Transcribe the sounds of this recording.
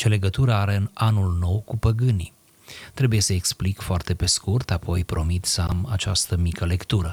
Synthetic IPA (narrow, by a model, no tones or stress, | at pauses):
t͡ʃe̞le̞ɡət̪uɾəaɾe̞ɨnanulno̞wkupəɡɨni | t̪ɾe̞buje̞səeksplikfoart̪e̞pe̞skurt̪apʰo̞jpɾo̞mit̪səa̰ma̰t͡ʃa̰st̪əmikəle̞kt̪uɾə